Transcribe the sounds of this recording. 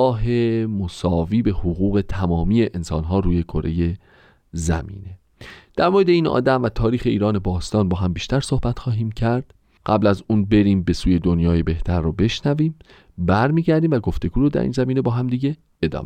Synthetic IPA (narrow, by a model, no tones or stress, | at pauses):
ɒːɦe̞mosɒːviːbe̞hoɣuːɣe̞t̪ʰæmɒːmiːe̞ʔensɒ̰ːnɦɒːɾuːje̞kʰoɾʔe̞̰je̞ | zæ̰mḭːne | d̪̥æɾmoɾed̪eiːnʔɒ̰ːd̪æmvæt̪ʰɒːɾiːxe̞iːɾɒːne̞bɒːst̪ɒːnbɒːɦæmbiːʃt̪æɾso̞hbæt̪xɒːɦiːmcʰæɾd̪̥ | ɢ̥æblæzuːnbeɾiːmbe̞suːje̞d̪onjɒːje̞be̞ht̪ʰæɾːɔːbe̞ʃnæviːm | bæɾmiːɟæɾd̪iːmvæɡo̞ft̪e̞ɡuːɾod̪æ̰ɾḭːnzæmiːnebɒːɦæmd̪iːɟe̞ | ed̪ɒ̰ːm